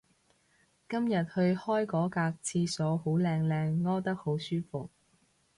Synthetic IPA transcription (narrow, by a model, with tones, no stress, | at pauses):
kɐ˥mjɐ˨t̚hɵ˧ɥhɔː˥jkɔː˨˥kaː˧k̚t͡sʰiː˧sɔː˨˥ho˨˥wlɛː˧ŋlɛː˧ŋːɔː˥wt̪ɐ˥k̚ho˨˥wsyː˥fʊ˨k̚